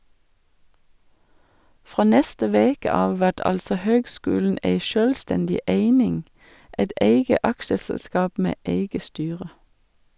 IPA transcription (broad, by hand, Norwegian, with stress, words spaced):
ˈfʁoː ˈnɛstə ˈʋeːkə ˈɑːʋ ˈʋæʈ ˈɑlsɔ ˈhøːɡˌskʉːln̩ ˈʔeɪ ˈʃøːlˌstɛndɪ ˈʔeɪnɪŋ ˈɛt ˈʔeɪɡə ˈʔɑkʃəsɛlˌskɑːp ˈmeː ˈʔeɪɡə ˈstyːʁə